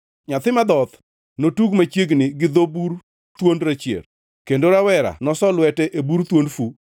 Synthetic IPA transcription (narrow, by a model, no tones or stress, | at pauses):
ɲat̪ɪmad̪ɔt̪ | notuɡmat͡ʃjeɡnɪɡɪd̪obuɾ | t̪wondɾat͡ʃjḛɾ | kendoɾawɛɾa̰nɔsɔlwɛtɛʔebuɾt̪wondfu